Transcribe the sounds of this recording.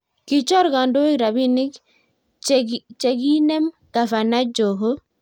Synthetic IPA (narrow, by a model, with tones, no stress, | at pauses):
ki˦t͡ʃɔ˦ɾɡɔ˨ndo˦i˦ɾa˨bi˦ni˦k | t͡ʃe˨ɡi˦nɛ˦m | ka˨fa˨na˦d͡ʒo˨ɦo˦